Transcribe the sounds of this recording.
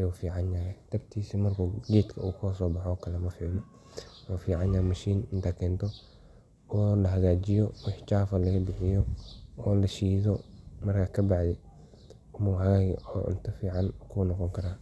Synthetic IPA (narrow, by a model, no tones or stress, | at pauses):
ɐjuːfiːʕɑnjɐɾɛt̪ʰɐbt̪ʰiːsimɐrkʰuːɡeːt̪kʰɐuːkʰʊɐsɔːbɑħɔkʰɐlɛmɐfiːʕnɔ | waːfiːʕɑnjɐɾmɐʃiːnɪnt̪ʰakʰɛːnt̪ʰɔ | ɔːlɐɦɐɣaːt͡ʃɪjɔwɑħt͡ʃaːfɐlɐɣɐbɪħɪjɔɔːlɐʃiːðɔmɐrkʰɐkʰɐbɑʕd̪ɛ | ʊmɐwħɣɐjɔ̰ːʔɪ̰nt̪ʰɐfiːʕɑnkʰunɔqɔŋkʰɐɾaː